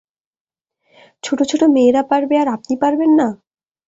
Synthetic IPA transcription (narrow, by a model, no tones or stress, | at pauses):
t͡ɕʰoʈot͡ɕʰoʈomeːɾapaɾbeaɾap̚nipaɾbenːa